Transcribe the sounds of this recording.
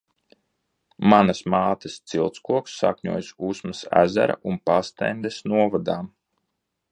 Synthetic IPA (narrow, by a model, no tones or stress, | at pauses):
manɐsmaːt̪əst̪silˠt̪skuɔksːa̰kʲɲuɔːjsusmɐsæ̰zæ̰ɾa̰ʔunpast̪ɛnd̪ɛsnuɔvad̪aːm